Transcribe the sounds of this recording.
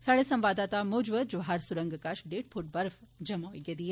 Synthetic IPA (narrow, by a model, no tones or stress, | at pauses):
saɽesɐ̃mʋaːd̪aːt̪amud͡ʒʋəd͡ʒʋɦaɾsuɾəŋɡkaʃɖeːʈ̚pʰuʈ̚bɐɾfd͡ʒɐmaiɡed̪ie